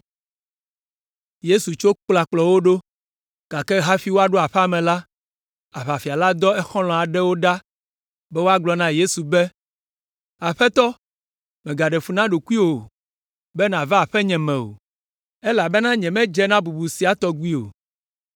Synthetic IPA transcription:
je˦su˨t͡ʃo˦k͡pla˨k͡plɔ˨wo˦ɖo˦ | ka˨kɛ˦ɦa˦fi˦wo˦a˨ɖo˦a˨ɸa˦mɛ̃˨la˦ | a˨ɸa˨fi˨a˨la˦d̪ɔ˦ɛ˦xɔ̃˦lɔ̃˨a˨ɖɛ˦wo˦ɖa˦ | bɛ˦wo˦a˦ɡlɔ˨nã˦je˦su˨bɛ˦ | a˨ɸɛ˦t̪ɔ˦ | mɛ̃˨ɡa˨ɖɛ˨fu˨nã˦ɖo˨ku˦i˦wo˨ | bɛ˦nã˨va˦a˨ɸɛ˦ɲɛ̃˨mɛ̃˨o̰˨ | ɛ˦la˨bɛ˦nã˦ɲɛ̃˨mɛ̃˦d͡ʒɛ˦nã˦bu˨bu˨si˨˦a˦t̪ɔ˦ɡu˦i˦o̰˨

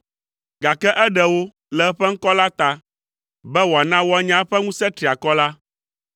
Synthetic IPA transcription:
ɡa˨kɛ˦ʔɛ˦ɖɛ˨wo˦ | lɛ˨ɛ˦ɸɛ˦ŋ̩˦kɔ˦la˦t̪a˦ | bɛ˦wo˨a˨nã˦wɔ˦a˦ɲã˦ɸɛ˦ŋũ˦sɛ˦t̪ɾi˨a˨kɔ˦la˦

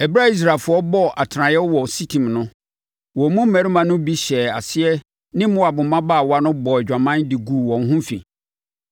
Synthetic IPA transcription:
ɛ˨bɾa˦i˦s̬ɾa˨fʊ˨˦ɔ˦bɔ˦ʔa˨tʰɾã˨jɛ˦wɔ˨si˦tʰĩ˨mnʊ̃˦ | wɔ˨mũ˦m̩˦mɛ˨ɾi˦mã˨nʊ̃˦bi˦ɕɛ˨a˨sɪ˦ɛ˦ | nɪ̃˦mʊ̃˦a˨bʊ̃˨mã˦ba˦˨wa˦nʊ̃˦bɔ˨ɛ˨d͡ʑᶣã˨mã˦ndɪ˨ɡu˨wɔ̃˨n˦ɦʊ̃˦fḭ̃˨

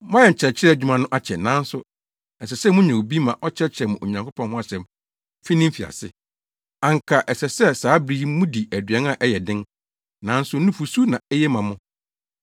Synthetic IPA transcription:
mã˦jɛ˨ɲ̩˨t͡ɕʰɛ˨t͡ɕʰɪ˦ɾɛ˦˨d͡ʑᶣu˦mã˦nʊ̃˦ʔa˦t͡ɕʰɛ˨nã˨˦n̩˦sʊ˦ | ɛ˨sɛ˨sɛ˦mʊ̃˦ɲɛ̃˨o˨bi˦mã˨ʔɔ˦t͡ɕʰɛ˦t͡ɕʰɪ˦ɾɛ˨mʊ̃˨ʔo˨ɲã˨ŋkʰʊ˦pʰɔ̃˦nhʊ̃˦a˨ɕɛ˨m | fi˦nɪ̃˦m̩˦fi˨a̰˨sɪ̰˦ | ã˨ŋ̩˨kʰa˨ʔɛ˨sɛ˨sɛ˦saː˨˦bɾi˦mʊ̃˦di˨æ˨dɥɛ˦na˦˨ʔɛ˦jɛ˨dɪ̃˦n | nã˨˦n̩˦sʊ˦nũ˦fu˨su˦nã˨ɛ˦jɛ˦mã˨mʊ̃˦

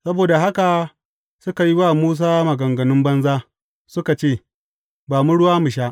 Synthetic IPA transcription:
sɐ˦boː˨da˨ɦa˦ka˨ | sʊ˦ka˨ji˦waː˦˨muː˦s̬aː˦mɐ˨ɡɐ˨ŋɡɐ˨nʊ˦mbɐ˦nzaː˦ | sʊ˦ka˨t͡ʃeː˦˨ | baː˨mu˦ɽʊ˦waː˦mʊ˨ʃ̬aː˦ʔ

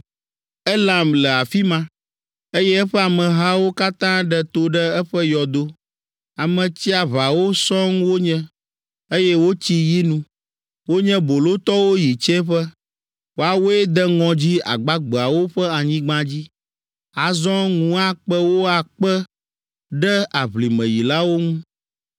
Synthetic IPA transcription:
ɛ˦lã˨mlɛ˨a˨fi˦mã˦ | e˦jɛ˦ɛ˦ɸɛ˦a˨mə̃˨ɦa˦wo˦ka˦t̪ã˦ɖɛ˦t̪o˦ɖɛ˦ɛ˦ɸə˦jɔ˨d̪o˦ | a˨mə̃˨t͡ɕi˦a˨βa˨wo˦sɔ̃˦ŋwo˦ɲɛ̃˦ | e˦jɛ˦wo˦t͡ɕi˦ji˦nũ˦ | wo˦ɲɛ̃˦bo˨lo˦t̪ɔ˦wo˦ji˨t͡ʃɛ̃˦ɸə˦ | wo˦a˨wo˦e˦d̪ɛ˦ŋɔ̃˨d͡ʑi˦a̰˨ɡ͡ba˦ɡ͡bə˨a˨wo˦ɸə˦a˨ɲĩ˦ɡ͡bã˦d͡ʑi˦ | a˨zɔ̃˦ŋũ˦a˦k͡pə˦wo˦a˨k͡pə˦ | ɖɛ˦a˨βli˨mə̰̃˨ji˨la˦wo˦ŋũ˦

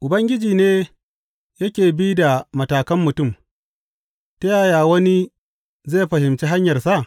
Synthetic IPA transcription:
ʔʊ˨bɐ˦ŋɡʲɪ˦d͡ʒiː˨neː˦ | jɐ˦kʲeː˨biː˦da˨mɐ˨taː˨kɐ˦mːʊ˨tʊ˦˨m | tɐ˦jaː˦˨jaː˨wɐ˦ni˦ | zeː˦˨ɸɐ˨hɪ˨mt͡ʃiː˦ɦa˦ɲjɐ˨rsa˦ʔ

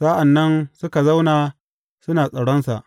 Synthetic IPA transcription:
saː˦ʔa˨nːɐ˦nsʊ˦ka˨za˦wnaː˨ | sʊ˦naː˨sʼɐ˨ɽɔ˦nsa̰˨ʔ

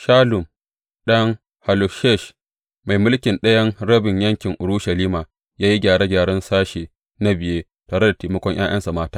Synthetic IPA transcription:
ʃaː˦lʊ˨m | ɗɐ˦ŋ | ha˨lo˨ʃɛ˦˨ʃ | ma˨jmʊ˦lkʲɪ˨nɗɐ˦jɐ˦ŋɽɐ˦bɪ˨ɲjɐ˦ŋkʲɪ˨ŋʔʊ˨ɽʊ˦ʃɐ˨liː˦maː˨ | jaː˦ji˦ɡʲaː˨ɽe˦ɡʲaː˨ɽɐ˦nsaː˦ʃeː˨ | na˦bɪ˨jeː˦ | taː˨ɽe˦da˨teː˨mɐ˦kʷɔ˦ɲj̰a̰ː˦jʔɐ˦nsa˨maː˦taː˦

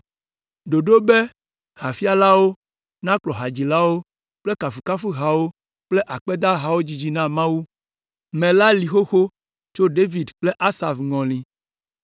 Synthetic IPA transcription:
ɖo˨ɖo˦be˦ | ha˨fi˦a˦˨la˦wo˦ | nã˦k͡plɔ˨ɦa˨d͡ʑi˨la˦wo˦ | k͡ple˦ka˨fu˨ka˦fu˦ɦa˨wo˦ | k͡ple˦ʔa˨k͡pe˦d̪a˦ɦa˨wo˦d͡ʑi˨d͡ʑi˨nã˦mã˦wu˦ | mẽ˨la˦li˨xo˦xo˦ | t͡ʃo˦ɖe˦vi˨dk͡ple˦ʔa˦sa˨fŋɔ̃˨lĩ˨

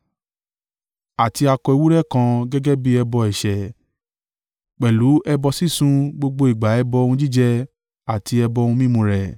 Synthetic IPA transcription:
a˨ti˧a˧kɔ˧i˧˦wu˦ɾɛ˦˨kã˧ɡɛ˦ɡɛ˦bi˦ɛ˧bɔ˧ɛ˨ʃɛ˨ | k͡pɛ˨lu˨˦ɛ˧bɔ˧si˦sũ˧ɡ͡bo˧ɡ͡bo˧i˨ɡ͡ba˨˦ɛ˧bɔ˧ũ˧d͡ʒi˦d͡ʒɛ˧ | a˨ti˧ɛ˧bɔ˧ũ˧mĩ˦mũ˧ɾɛ˨

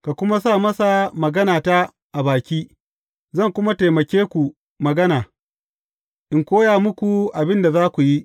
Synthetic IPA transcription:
ka˨kʷʊ˦ma˦saː˦˨mɐ˦sa˨mɐ˨ɡɐ˦naː˨ta˦ | ʔa˨baː˨kʲiː˦ | zɐ˦˨ŋkʷʊ˦ma˦te˨mɐ˨kʲeː˦kʷu˨ | mɐ˨ɡɐ˦naː˨ | ʔɪ˨ŋkʷoː˦jaː˨mʊ˦kʷu˨ʔa˨bɪ˦nda˨zaː˦kʷu˨ji˦ʔ

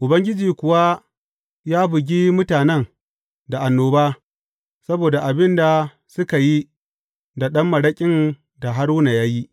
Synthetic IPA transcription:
ʔʊ˨bɐ˦ŋɡʲɪ˦d͡ʒiː˨kʷʊ˨wa˦ | jaː˦bʊ˨ɡʲiː˦mʊ˦taː˨nɛ˦ŋ | da˨ʔa˨nːoː˦baː˦ | sɐ˦boː˨da˨ʔa˨bɪ˦nda˨ | sʊ˦ka˨ji˦ | da˨ɗɐ˦mːɐ˨ɽɐ˦kʲʼɪ˦n | da˨ɦa˦ɽʊ˦na˨jaː˦ji˦

